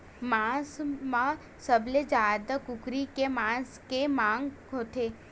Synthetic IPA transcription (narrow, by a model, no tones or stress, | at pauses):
mãːsmã | səbled͡ʒaːd̪akʊkɾikemãːskemãːŋɡ | ɦoːt̪ʰeː